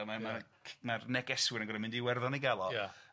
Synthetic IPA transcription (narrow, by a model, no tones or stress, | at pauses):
mama | marnɛkɛswɪɾənɡɔɾamɪ̃ndiwɛrðɔniɡalˠɔja